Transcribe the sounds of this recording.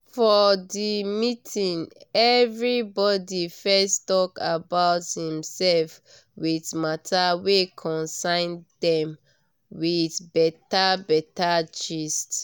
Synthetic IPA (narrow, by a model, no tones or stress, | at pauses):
fɔdimitʰĩnɛvɹibɔdifɛstɔkabaʊthĩmsɛlf | wiθmatʰawekʰɔ̃nsãɪ̃ndɛ̃m | wiθbɛtabɛtat͡ʃist